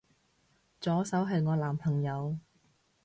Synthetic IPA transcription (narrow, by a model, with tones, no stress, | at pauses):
t͡sɔː˨˥sɐ˨˥wɦɐ˨jŋɔː˨˧laː˨˩mpʰɐ˨˩ŋjɐ˨˧w